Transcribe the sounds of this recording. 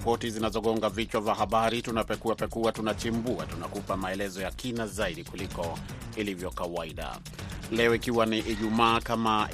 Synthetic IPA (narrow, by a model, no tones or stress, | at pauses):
pɔtizinazɔɠɔŋɡavit͡ʃwavahaɓaɾitunapɛkuapɛkuwatunat͡ʃimbuatunakupamaɛlɛzɔjakinazaiɗikulikɔ | ilivjɔkawaiɗa̰ | lɛɔikiwaniʔiʄumaːkama